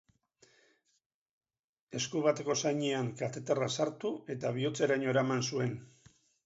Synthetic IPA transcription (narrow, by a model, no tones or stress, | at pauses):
e̞skuβ̞at̪e̞ko̞sajɲeaŋkat̪e̞t̪erasaɾt̪ue̞t̪aβ̞io̞t͡se̞ɾaɲo̞eɾamansue̞n